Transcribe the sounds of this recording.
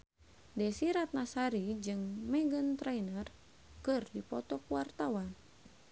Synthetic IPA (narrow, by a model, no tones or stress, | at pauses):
dɛsiɾat̪̚nasaɾid͡ʒɨŋmɛɡənt̪ɾainər | kɨrdipɔt̪ɔkuwart̪awan